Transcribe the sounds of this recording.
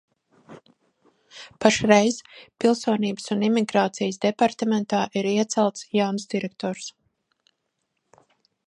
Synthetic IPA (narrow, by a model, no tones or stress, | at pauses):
paʃɾɛjz̥pilˠsuːniːbəsunimiɡɾaːt̪sijəsd̪ɛpaɾt̪ɛmɛnt̪aːʔiɾiɛt̪sɛlˠt̪sjawnsd̪iɾɛk̚t̪ɔːɾs